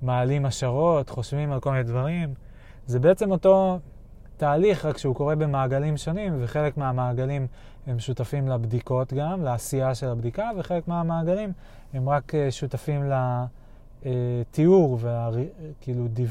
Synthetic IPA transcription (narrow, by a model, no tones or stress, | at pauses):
maːlimaʃaʁo̞tχo̞ʃvimalko̞lmined̪vaʁim | zebeet͡se̞mo̞to̞ | taːliχʁakʃeuko̞ʁe̞be̞maːɡalimʃo̞nimveχe̞le̞kmeamaːɡalim | e̞mʃutafimlabd̪iko̞tɡamlaːsiaʃe̞labd̪ikave̞χele̞kmeamaːɡalim | e̞mʁakeʃutafimla | et̪iuʁveaʁkiːludiv